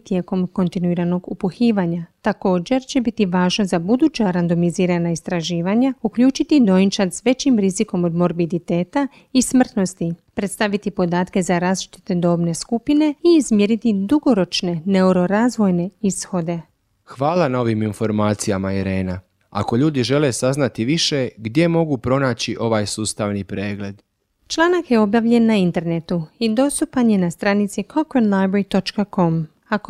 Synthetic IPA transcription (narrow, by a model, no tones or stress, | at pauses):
t̪je̞ːko̞mko̞nt̪inuiːɾano̞ɡupuxiːʋaɲat̪ako̞ːd͡ʑe̞ɾt͡ɕe̞bit̪iʋaːʒno̞zabud̪uːt͡ɕaɾand̪o̞miziːɾanaist̪ɾaʒiːʋaɲaukʎuːt͡ʃit̪id̪o̞jint͡ʃat̪sʋe̞t͡ɕimɾiziko̞mo̞d̪mo̞ɾbid̪it̪e̞ːt̪a | ismr̩t̪no̞st̪ipɾe̞t̪st̪aʋit̪ipo̞d̪aːt̪ke̞zaɾazʃt̪i̥t̪ed̪o̞ːbne̞skupine̞iːzmjeɾit̪id̪uɡo̞ɾo̞t͡ʃne̞ne̞uɾo̞ɾaːzʋo̞jne̞isxo̞d̪e̞ | xʋaːlanao̞ʋiminfo̞ɾmaːt̪sijamaiɾe̞ːna | a̰ko̞ʎuːd̪iʒe̞lesaznat̪iʋiʃeɡd̪je̞mo̞ɡupɾo̞naːt͡ɕiʔo̞ʋaːjsuːst̪aʋnipɾeːɡle̞d̪ | t͡ʃlˠaːnakje̞o̞bjaʋʎe̞nːaint̪e̞ɾne̞t̪uid̪o̞st̪upanje̞nast̪ɾanit̪sikʰokenlajbɾeɾit̪o̞t͡ʃkako̞m | ak